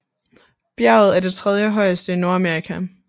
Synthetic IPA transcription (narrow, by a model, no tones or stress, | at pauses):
b̥jæ̰ʊð̞̩ˠæɐd̥e̝t͡sʰʁɛð̞ˠjəɦɒ̽ɪəsd̥əino̝ɐæmeɐʁikʰæ